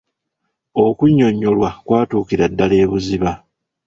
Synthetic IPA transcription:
o̞kuɲːo̞ɲːo̞lwakwaːtuːkiɾadːale̞ːβuziβa

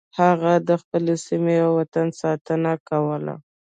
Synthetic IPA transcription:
haɣad̪əxpəlesimeawat̪ansɑt̪ənakawəla̰

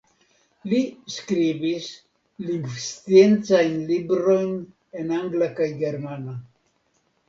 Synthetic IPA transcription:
liskɾibis | liŋɡvst̪jent͡sainlibɾojn | enaŋɡlakajɡeɾmana

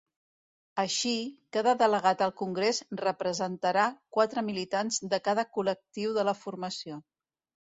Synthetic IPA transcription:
əʃikaðəðələɣat̪əlˠkuŋɡɾezrəpɾəzənt̪əɾakwat̪ɾəmilit̪anzðəkaðəkulək̚t̪iwðələfurməsio

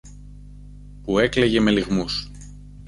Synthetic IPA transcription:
pue̞kleʝe̞me̞liɣmus

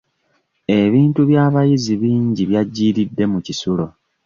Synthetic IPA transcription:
e̞βiːntuβjaːβajiziβiːɲɟiβjaɟːiːɾidːe̞mucisulo̞

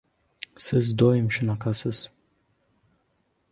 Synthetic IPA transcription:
sɨzdoːjɪmʃɪnaqʰasɨz

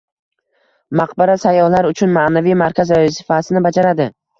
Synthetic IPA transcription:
maqbaɾasajːɒhlaɾʊt͡ʃʰʊnmanavijmaɾkʲʰazɾasɪ̥fasɪnɪbad͡ʒaɾad̪ɪ

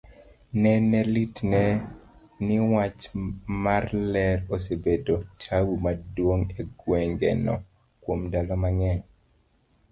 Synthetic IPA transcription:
nɛnɛlitnɛ | nɪwat͡ʃmarlɛɾosebedotʰawumadwoŋeɡwɛŋɡɛ̰nɔ̰ | kwomdalɔmaŋɛɲ

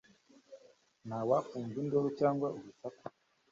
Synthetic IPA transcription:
n̤awafuːnzindoɾot͡ʃaːŋɡwauβusaka

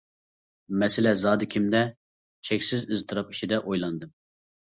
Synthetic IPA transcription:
mɛsɪlɛzɑːd̪ɨkʲʰimd̪ɛ | t͡ʃʰɛkʲsɪzɨzt̪ʰɨɾɑpi̥ʃid̪ɛʔojlˠɑnd̪ɨm

